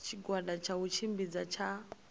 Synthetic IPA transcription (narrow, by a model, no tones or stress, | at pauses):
t͡ʃʰiɡwadat͡ʃʰaɦut͡ʃʰimbid͡zat͡ʃʰa